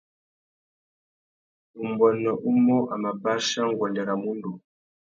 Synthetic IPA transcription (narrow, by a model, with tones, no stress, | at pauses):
u˨mbɔ˨nɔ˨ʔu˦mɔ˦ʔa˨ma˨ba˦ʃa˦ŋ˨ɡɔ˨ndɛ˨ɾa˨mu˦ndu˨